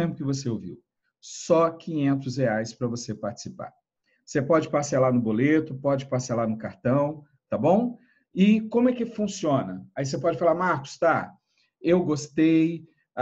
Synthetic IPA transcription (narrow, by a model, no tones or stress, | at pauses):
ẽmpʊkɪvoseowviw | sɔkĩɲẽnt̪ʊsheajspɾɐvosepaɾt͡ʃɪ̥sipa̰ɾ | osepɔd͡ʒɪpaɾsalanʊbolet̪ʊpɔd͡ʒɪpaɾsalanʊkaɾt̪ɐ̃w̃ | t̪abõw̃ | ɪkõmʊɛkɪfũsiõnɐais̬epɔd͡ʒɪfalaɾmaɾkʊ̥st̪a | ewɡost̪ej